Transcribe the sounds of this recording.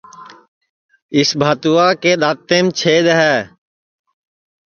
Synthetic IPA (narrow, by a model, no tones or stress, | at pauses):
ɪsbʱaːt̪uaːkeːɗ̪aːt̪eːmt͡ʃʰeːd̪ɦɛː